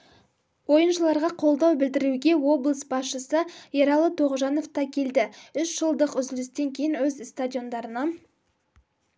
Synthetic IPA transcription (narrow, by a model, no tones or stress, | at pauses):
wo̞jənʃəlˠɑɾʁɑqʰo̞lˠd̪ɑwbɪld̪ɪɾuɡʲe̞wo̞blˠəsbɑsʃəsəeɾɑlˠət̪ʰoʁʒɑno̞ft̪ɑkʲʰe̞ld̪ɪʏsʒ̥əlˠd̪əqʏzlɪst̪e̞ŋkʲʰejɪnwɵzst̪adʲijo̞nd̪ɑɾənɑ